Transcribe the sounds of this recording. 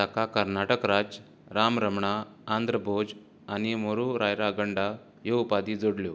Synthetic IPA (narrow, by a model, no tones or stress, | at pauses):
sakakəɾnaʈəkɾad͡ʑ | ɾamɾəmɳaːnd̪ɾəbʱod͡ʑ | animoɾuɾajɾaɡəɳɖa | jeupad̪id͡zoɽljo